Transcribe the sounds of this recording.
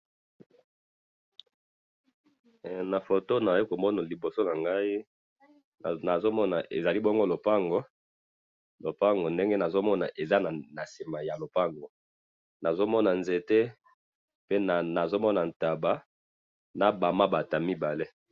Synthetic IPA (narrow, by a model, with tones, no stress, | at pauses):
na˨fo˨to˦na˨i˦ko˨mɔ˦na˨li˨bo˨so˦na˨ŋɡa˦i˦˨ | na˨zo˦mɔ˦na˨ʔe˨za˨li˦bɔ˦ŋɡo˦lo˨pa˦ŋɡo˨ | lo˨pa˦ŋɡo˨nde˦ŋɡe˦na˨zo˦mɔ˦na˨ʔe˨za˦na˨na˨si˨ma˨ja˨lo˨pa˦ŋɡo˨ | na˨zo˦mɔ˦na˨nze˨te˦ | pe˦na˨na˨zo˦mɔ˦na˨n̩˨ta˨ba˦ | na˨ba˨ma˦ba˨ta˨mi˦ba˨le˦